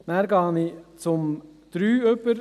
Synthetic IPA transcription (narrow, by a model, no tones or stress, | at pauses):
næːɾɡɑːnit͡sʊmd̪̥ɾyːœpəɾ